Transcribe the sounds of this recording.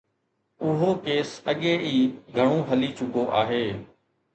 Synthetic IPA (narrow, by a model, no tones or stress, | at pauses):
ʊɦoːkeːsəɠeːʔiːɡʱəɽ̃õːɦəliːt͡ʃʊkoːʔaːɦeː